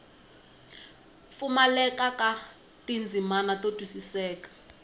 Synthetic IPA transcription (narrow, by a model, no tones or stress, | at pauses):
fumalɛkaka | tind͡zʱimanatotwisisɛːkḁ